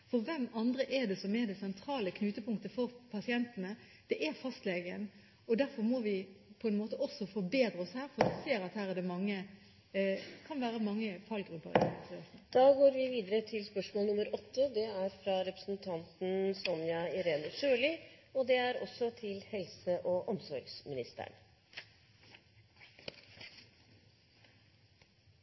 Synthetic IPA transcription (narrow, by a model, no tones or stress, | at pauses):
fɔɾʋɛmːɑnd̪ɾəʔɛɖ̪ɛsɔmɛɾd̪ɛsɛnt̪ʰɾɑːləkʰnʉːt̪əpʰʊŋk̚t̪əfɔɾpʰɑsɪɛnt̪ənə | d̪̥ɛʔæɾfɑst̪leːɡən | ɔd̪æɾfɔɾmɔʋɪpʰɔɛnmoːt̪əʔɔsɔfɔbeːd̪ɾəɔshæːɾfɔʋɪseːɾɑt̪hæːɾæd̪ɛmɑŋːə | kʰɑnʋæːɾəmɑŋːəfʰɑlɡʁʉpːə̰ɾ̰ɪ̰sɛd̪̥ɑːɡoːɾʋɪʋiːd̪əɾət̪ʰɪlspœʂmoːlˠnʊməɾɔt̪ʰːəd̪ɛæɾfɾɑɾɛpɾəsnt̪ʰɑnt̪n̩sɔmjɑɪɾeːnəʂøːlɪɔd̪ɛæɾɔ̰sɔt̪ʰɪlhɛlsəʔɔʔɔmsɔɾɡsmɪnɪst̪ə̰ɳ